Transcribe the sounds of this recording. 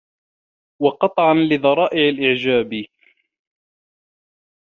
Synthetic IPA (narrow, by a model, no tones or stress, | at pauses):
wɑqɑt̪ˤʕɑnlɪðˤɑɾˤɑːʔɪʕalʔɪʕd͡ʒaːb